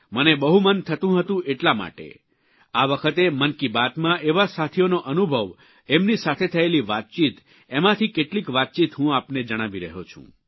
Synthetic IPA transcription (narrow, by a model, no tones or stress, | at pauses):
mənebəɦumənt̪ʰət̪ũɦət̪ũʔeʈlama̰ʈḛ | aʋəkʰət̪emənkibat̪mãʔeʋasat̪ʰijonoʔənubʱəʋ | emnisat̪ʰet̪ʰəeliʋat̪̚t͡ʃit̪ | emãt̪ʰikeʈlikʋat̪̚t͡ʃit̪ɦũapned͡ʒəɽ̃aʋiɾəɦot͡ʃʰṵ̃